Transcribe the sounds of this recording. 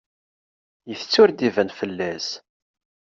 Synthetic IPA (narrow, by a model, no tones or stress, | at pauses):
jəθət͡sːʊɾd̪ivənfəlːæs